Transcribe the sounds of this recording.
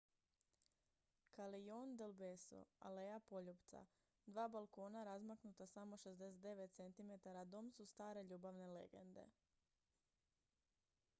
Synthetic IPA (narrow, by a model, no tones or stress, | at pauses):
kalijoːnd̪elbeso̰a̰lejapo̞ʎupt̪sa̰ | d̪ʋaːbalˠko̞ːnaɾazmaknut̪asamo̞ʃe̞zd̪eset̪d̪e̞ʋe̞t̪t̪se̞nt̪ime̞t̪aɾad̪oːmsust̪aːɾe̞ʎuːbaʋne̞lḛɡe̞̰nd̪e̞̰